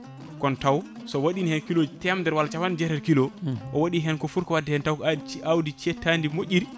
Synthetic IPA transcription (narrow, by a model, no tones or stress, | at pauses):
kɔntaw | sɔwaɗinihɛnkilod͡ʒtɛamdɛɾwalat͡ʃawand͡ʒɛɾɛɾkilɔʔɔwaɗiɦɛnkɔfuɾkɔwadːɛhɛntawkawdit͡ʃɛtandimoʔʲiɾ